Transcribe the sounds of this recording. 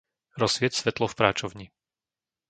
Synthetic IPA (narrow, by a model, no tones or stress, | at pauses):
ɾɔsʋɪɛcsʋɛt̪lɔfpɾaːt͡ʃɔʊɲi